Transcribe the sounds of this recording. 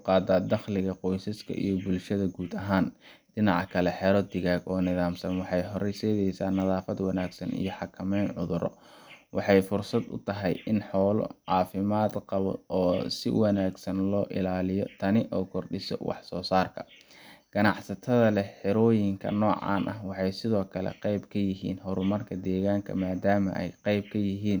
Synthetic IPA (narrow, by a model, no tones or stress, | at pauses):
ʊqɑːd̪aːd̪ɑχlɪɣɐqɔjsɐskʰɐ̰ʔḭjɔbʊlʃɐðɐɡuːd̪ɐɦaːnɖɪnɑʕɑkʰɐlɛħɛɾɔd̪ɪɣaːɡɔːnɪðaːmsɐnwɑħɑjɦɔɾɛjsɛðɛjsaːnːɐðaːfɐd̪wɑnaːɡsɐnḭjɞħɑkʰɐmɛjnʕʊðʊɾʔɔ̰ | wɑħɑjfʊrsɐd̪ʊ̰t̪ʰɐɦɛjɪnħɔːlɔ̰ʕɑːfɪmaːd̪qɑβɔ̰ɔːsɪ̰wɑnaːɡsɐnlɔːʔɪlaːlɪjɔt̪ʰɐnɪʔɔːkʰɔrɗɪsɔ̰wɑ̰ħsɔːsaːrkʰɐ | ɡ̥ɐnɑħsɐt̪ʰɐðɐlɛħɪɾɔːjɪŋkʰɐ̰nɔːʕɑ̰ːnʔɐhwɑħɑjsɪðɔːkʰɐlɛ̰qɑjbkʰɐjɪɦiːnɦɔɾʊmɐrkʰɐd̪ɛːɣaːŋkʰɐ̰maːd̪aːmɐ̰ʔɛ̰jqɑjb̚kʰɐjɪɦiːn